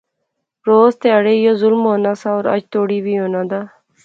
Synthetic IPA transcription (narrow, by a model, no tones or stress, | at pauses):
ɾoːzt̪ɪjaːɽeːjoːzʊlmɦoːnaːsaːoːɾə̰d͡ʒt̪oːɽiːbʱiːɦoːnãːd̪aː